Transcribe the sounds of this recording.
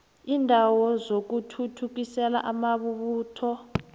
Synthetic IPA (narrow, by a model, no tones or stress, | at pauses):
iːndʱawɔzok̬utʰutʰuk̬isɛla̰ʔamaβuβuːtʰɔ